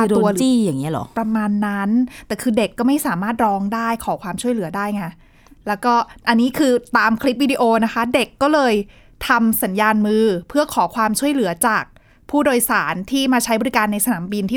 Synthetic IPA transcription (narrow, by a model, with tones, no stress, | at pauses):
d̪u˧ɐt͡ɕiː˥˩jaː˨˩ŋːi˦˥ɐ˨lɔ̰˨˩˦pɾa˧maː˧nːa˦˥nt̪ɛː˨˩kʰɯː˧de˨˩kːɔː˥˩ma˥˩jsaː˩˦maː˥˩t̪̚ɾɔː˧˥ŋdaː˥˩jkʰɔː˩˦kʰwaː˧mt͡ɕʰu˥˩əjlɯ˩˦ɐdaː˥˩jŋa˧˩ | lɛː˦˥wkɔː˥˩ʔa˧nːiː˦˥kʰɯː˧t̪aː˧mkʰɾi˦˥p̚wiː˧diː˧ʔoː˧na˦˥kʰa˦˥de˨˩kːɔː˥˩lɤː˧j | t̪ʰa˧msa˩˦njaː˧nmɯː˧pʰɯ˥˩ɐkʰɔː˩˦kʰwaː˧mt͡ɕʰu˥˩əjlɯ˩˦ɐt͡ɕaː˨˩k̚ | pʰuː˥˩doː˧jsaː˩˦nt̪ʰiː˥˩maː˧t͡ɕʰa˦˥bɔ˨˧ɾi˦˥kaː˧nːa˧jsa˧naː˩˦mbi˧nt̪ʰiː˥˩